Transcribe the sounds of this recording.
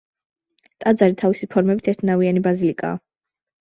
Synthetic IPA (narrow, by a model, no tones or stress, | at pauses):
t̪ʼad̪zaɾit̪ʰavisipʰɔɾmɛbit̪ʰɛɾt̪ʰnavianibazilikʼa̰ː